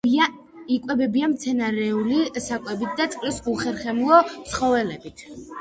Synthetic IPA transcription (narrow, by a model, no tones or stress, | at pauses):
a | ikʼwɛbɛbiamt̪sʰɛnaɾɛulisakʼwɛbit̪̚ʰd̪at̪sʼkʼlisuχɛɾχɛmlˠɔt̪sʰχɔvɛlɛbit̪ʰ